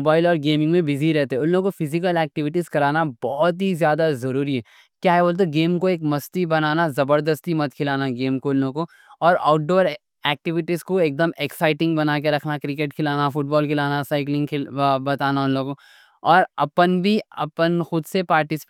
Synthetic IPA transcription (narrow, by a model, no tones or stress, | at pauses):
obaːɪlɔːɾɡeːmɪ̃ŋɡmẽbɪziɾɛɦt̪eɦɛʊnlõkofʰɪzɪk̬əlɛːk̚ʈɪʋɪʈizkɐɾaːnabɔːt̪̬ɦizjaːd̪azɐɾuːɾiɦɛ | kjaːɦɛboːlt̪̬eɡeːmkoeːkmɐst̪ibɐnaːnazɐbəɾd̪əst̪imɐt̪̚kʰɪlaːnaɡeːmkoʊnːõko | ɔːɾa̰ːʊʈ̚ɖoːɾ | ɛːk̚ʈɪʋɪʈizkoeːk̚d̪əmeksaːɪʈɪ̃ŋɡbɐnaːk̬eɾɐkʰnakɾɪkeːʈkʰɪlaːnafʊʈ̚bɔːlkʰɪlaːnasaːɪklɪ̃ŋɡkʰɪlbɐt̪aːnaʊnlõːko | ɔːɾɐpənbʱiɐ̰pənxʊd̪sepaːɾʈɪsp